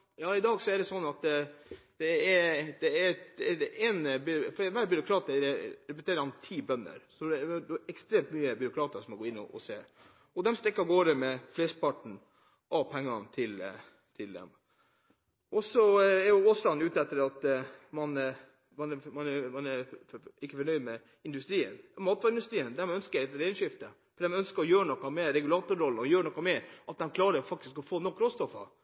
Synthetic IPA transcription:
jɑːɪd̪ɑːɡsɔæɖɛsɔnːɑt̪ | d̪̥ɛɛɾd̪ɛæɾ | ɛnbʏfɔɖʋæːɾbʏɾʊkʰɾɑːt̪ɛɾɛɾɛp̬ət̪ʰeːɾəhɑnt̪ʰiːbœnːə̰ɾsɔʊɛkst̪ɾeːmt̪myːəbʏɾʊkʰɾɑːt̪əsɔmɑɡoːɪnːɔ̰ʔɔ̰seː | ɔd̪ɛmst̪ɾɛkːɑɡoːɾəmɛfleːspʰɑʈɳ̩ | ʔɑpʰɛŋːɑnt̪ʰɪl | t̪ʰɪld̪ɛ̰m | ʔɔsɔɛɾjʊoslɑnʉːt̪ɛt̪ːəɾɑt̪mɑn | mɑnɛmɑnɛmɑnɛɾɪkːəfɔɳœʏd̪mɛ | ɪnd̪ʉst̪ɾiːə̰nmɑːt̪ʋɑːɾɪnd̪ʉst̪ɾiːənd̪ɛmœnskəɾɛt̪ːəɾɛɪnʂɪft̪ə | fɔd̪ɛmœnskəɾɔjøːɾəɳɔkːɑmɛɾɛɡʉlɑːt̪ʊɾɔlɔjøːɾɳɔkːɑmɛʔɑt̪̚d̪ɛmkʰlɑːɾəɾfɑk̚t̪ɪskɔfoːnɔkːɾoːst̪ɔfːɑ̰

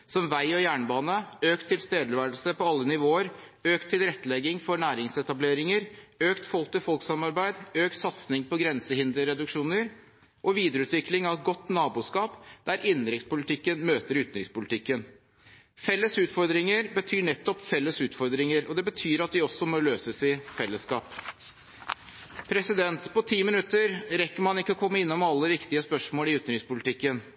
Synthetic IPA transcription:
sɔmʋæɪɔjæːɳbɑːnəøːkt̪ʰːɪlst̪eːd̪əɾʋæːɾlsəpɔɑlːənɪʋoːəɾ | øːkt̪ʰːɪlɾɛt̪ːəlɛɡːɪŋfɔɳæːɾɪŋsɛt̪ɑbleːɾɪŋəɾøːkt̪fɔlkt̪ɪlfɔlksɑmɑɾbæɪd̪øːkt̪sɑt̪snɪŋpɔɡɾɛnsəhɪnd̪ɾəɾɛd̪ʉkʂuːnəɾ | ʔɔʋiːd̪ɾəʉːt̪ʋɪklɪŋɑɛɡɔt̪ːnɑːbuːskɑːpd̪̥æɾɪnːɾɪktspʊlɪt̪ʰɪkːənmøːt̪əɾʉːt̪nɾɪkspʊlɪt̪ʰɪkːən | fɛlːəsʉːt̪fɔɾd̪ɾɪŋəɾbət̪ʰyːɳɛt̪ːɔpfɛlːəsʉːt̪fɔɾd̪ɾɪŋəɾɔd̪ɛbət̪ʰyːɾɑt̪ʋ̪ɪɔsɔmɔløːsəsɪfɛlːəskɑ̰ːp | pʰɾɛsɪd̪ɛnt̪pɔt̪ʰiːmɪnʉt̪ːəɾɾɛkːəmɑnɪkːəɔkʰɔmːəɪnːɔmɑlːəʋɪkt̪ɪəspœʂmoːlɪʉːt̪nɾɪkspʊlɪt̪ʰɪkːən

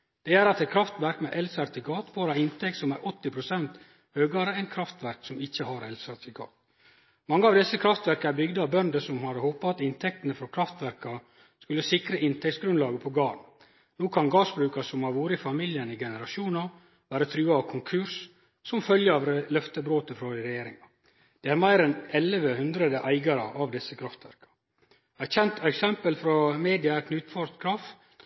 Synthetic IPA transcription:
d̪̥ɛæɾɑt̪ɛɪt̪̚kʰɾɑft̪ʋæɾkmɛʔɛlsæɾt̪ɪkʰɑːt̪ʋoːɾɑɪnt̪ʰɛk̚t̪sɔmæɾʔɔt̪ːɪpʰɾʊsɛnt̪ | høːɡɑɾəæɪt̪kʰɾɑft̪ʋæɾksɔmɪçːəhɑɾɛlsæɾt̪ɪkʰɑ̰ːt̪ | mɑŋːəɑʋd̪ɛsːəkʰɾɑft̪ʋæɾkəæɾbʏɡd̪əɑʋbœnd̪əsɔmhɑɾhoːpɑɑt̪ɪnt̪ʰɛk̚t̪ənəfɾɔkʰɾɑft̪ʋæɾkɑ | skʉlːəsɪkɾəʔɪnt̪ʰɛk̚tsɡɾʉnlɑːɡəpʰɔɡɑːɾn | noːkʰɑnɡɑːsbɾʉːkɑsɔmhɑɾʋuːɾəɪfɑmɪljənɪɡɛnəɾɑʃuːnɑ | ʋæːɾət̪ʰɾʉːɑɑʋkʰʊŋkʰʉɾs | sɔmfœljəɑʋɾlœft̪əbɾoːt̪əfɾɔd̪ɪɾɛjeːɾɪŋɑ | d̪̥ɛæːɾmæɪɾɛnɛləʋəhʉnd̪ɾəd̪əʔæɪɡɑɾə̰ʔɑʋd̪ɪsːəkʰɾɑft̪ʋæɾkɑ̥ | æɪt̪çɛnt̪ɛksɛmpəlfɾɔmeːd̪ɪɑkʰnʉːt̪fɔɾt̪kʰɾɑft̪

